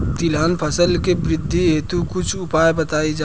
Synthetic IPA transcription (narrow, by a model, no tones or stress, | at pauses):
t̪ilanpʰəsəlkebɾɪd̪ʱːiɦet̪ukʊt͡ʃʰʊpajbət̪aid͡ʒa